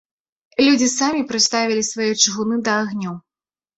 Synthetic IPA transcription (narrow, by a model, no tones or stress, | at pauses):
lʲud͡zʲisamʲipɾɨst̪avʲilʲisvajɔt͡ʂɨɣunɨd̪ɐːɣnʲɔw